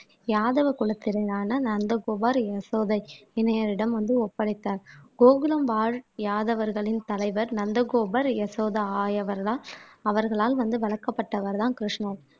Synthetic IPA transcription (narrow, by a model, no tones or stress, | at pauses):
jaːðɐʋɐkʊɭɐt̪ːɪɾɐɪjaːnɐnɐnd̪ɐɡoːbaːɾɛsoːðɐɪɪnɐjɐɾɪɽɐmʋɐnd̪ɯɔpːɐɽɪt̪ːaːɾɡoːɣɯlɐmʋaːɻjaːðɐʋɐɾɣɐɭɪnt̪ɐlɐɪʋɐɾnɐnd̪ɐɣoːbɐɾɛsoːðɐaːjɐʋɐɾlaːɐʋɐɾɣɐɭaːlʋɐnd̪ɯʋɐɭɐkːɐpːɐʈːɐʋɐɾðãːnkɾɪʂnɐɾ